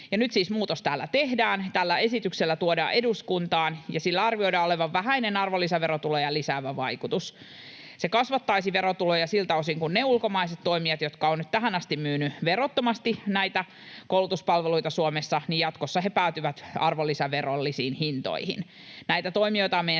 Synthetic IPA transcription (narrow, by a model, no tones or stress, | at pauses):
jɑnyt̪siːsmuːt̪ost̪æːlːæ̰t̪ehdæːnt̪ælːæesit̪ykselːæt̪uodɑ̰ːʔeduskunt̪ɑːnjɑsilːæɑrʋio̞idɑːoleʋɑʋʋæɦæinenɑrʋolːisæʋeɾot̪ulojɑlisæːʋæʋɑikut̪us | sekɑsʋɑt̪ːɑisiʋeɾot̪ulojɑsilt̪ɑosiŋkunneulkomɑiset̪t̪ːo̞imiɑt̪jot̪kɑonyt̪t̪æɦænɑst̪immyːnyʋerot̪ːomɑst̪inæit̪æ | koulut̪uspɑlʋeluit̪ɑsuomesːɑnijjɑt̪kosːɑhepæˑːt̪yʋæt̪ɑ̰rʋolːisɑʋerolːisiːnhint̪o̰ihḭn | næit̪æt̪oimijo̞jt̪ɑmejæ